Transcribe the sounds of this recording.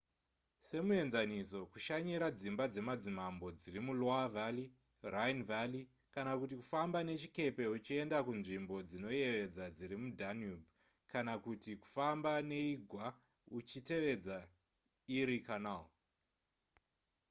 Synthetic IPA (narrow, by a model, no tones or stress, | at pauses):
se̞mue̞nzaniso̞kuʃaɲiɾad͡zimbad͡ze̞mad͡zimambo̞d͡ziɾimuloavali | rajnvali | kanakutiku̥fambane̞t͡ʃike̞pe̞ut͡ʃie̞ndakunʐimbo̞d͡zino̞je̞ʋe̞d͡zad͡ziɾimudʱanub | kanakutiku̥fambane̞iɡʱwa | ut͡ʃite̞ʋe̞d͡za | iɾikanao